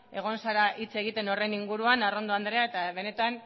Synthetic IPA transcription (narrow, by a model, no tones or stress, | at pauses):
e̞ɣ̞o̞nsaɾaʔit͡se̞ɣ̞it̪e̞no̞re̞niŋɡuɾuanaro̞nd̪oand̪ɾe̞ae̞t̪aβe̞ne̞t̪an